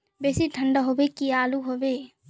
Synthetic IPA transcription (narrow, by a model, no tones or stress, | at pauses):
beːsiʈʰəɳɖəɦobekiaːluɦobe